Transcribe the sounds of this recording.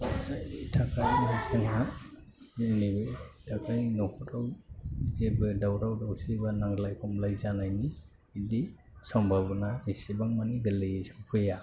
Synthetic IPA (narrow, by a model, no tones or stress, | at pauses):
sajitʰakʰajnɔsenɦa | zenibɯtʰakʰajnɔkʰutawzebɯdawɾawdawsibanaŋlajkʰɔmlajzanajniː | di | sɔmbʱabnaisibaŋmaniɡɯlɯsupʰɯja